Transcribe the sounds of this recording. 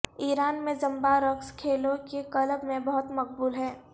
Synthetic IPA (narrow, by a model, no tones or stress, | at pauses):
iːɾaːnmẽd͡ʒɐ̃mbaɾɐkskʰeːlõkekɐləbmẽbɐɦʊt̪mɐk̚buːlɦɛː